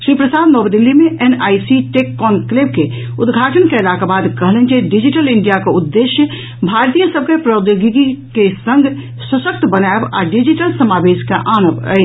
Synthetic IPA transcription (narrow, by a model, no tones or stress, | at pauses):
ʃɾipɾəsad̪nɔbd̪ilːimeʔenajsiʈekːɔnkleb̚ke | ud̪ɡʱaʈənkeelakabad̪kəɦlɛnd͡ʒeɖid͡ʒiʈəliɳɖijakeud̪ːeʃjə | bʱaɾt̪ijə̃səbkepɾəd̪joɡiɡikesə̃ŋɡʱ | səsək̚t̪bənaeba̰ɖid͡ʒiʈəlsəmabeskeʔanəbə̰j